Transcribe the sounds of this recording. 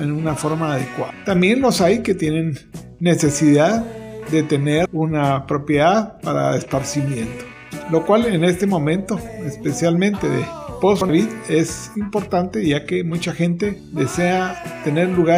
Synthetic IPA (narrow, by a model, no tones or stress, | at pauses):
enunafo̞ɾmaːðekwat̪ambje̞nlo̞sajke̞t̪je̞nẽ̞nː | e̞se̞siðaðd̪e̞t̪e̞neɾunapɾo̞pje̞ðaðpaɾa̰espaɾsimjẽ̞nt̪o̥ | lo̞kwale̞ne̞st̪e̞mõ̞mẽ̞nt̪o̞espe̞sjalmẽ̞nt̪e̞ðḛposoaβiðe̞s | impo̞ɾt̪ant̪e̞ʝake̞mut͡ʃaxe̞nt̪e̞ | ðe̞se̞at̪e̞ne̞ɾluɣa